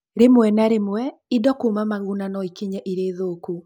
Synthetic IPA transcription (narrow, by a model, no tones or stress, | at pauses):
ɾemwɛnaɾemwɛidɔkuːmamaɣunanɔikiɲɛʔiɾeːðoːku